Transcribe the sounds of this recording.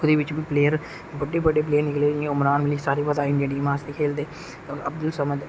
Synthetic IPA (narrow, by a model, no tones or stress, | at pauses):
d̪eːʋɪt͡ʃbiːpleːjəɾ | bəɖːeːbəɖeːp̬leːnɪkleːeʊmɾaːnmɪlisaːɾiːpəd̪aːiɳeːɖiːmaːst̪eːkʰeːld̪eː | oːɾəb̚d̪ʊlsəməd̪